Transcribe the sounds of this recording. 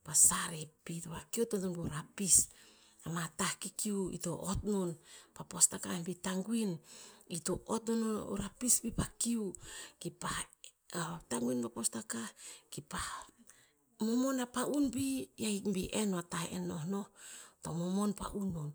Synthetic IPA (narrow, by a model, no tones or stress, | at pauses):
pasaɾipitopakiototonbiɾapis | amatahkikiuḭtoʔotnonpapo̞stakahbitaŋɡwinitoʔotnono̰ɾapisbipakiukipa | taŋɡuinpapostakahkipa | momonapaʔunbijajkmbiʔenoataḛno̞hnohtomomo̞npa̰ʔunon